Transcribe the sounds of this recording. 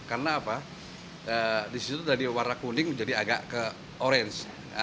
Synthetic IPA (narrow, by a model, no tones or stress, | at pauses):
karnaːpa | ədisit̪udadiwaɾakunɪŋd͡ʒadiaɡaʔkə | oɾɛns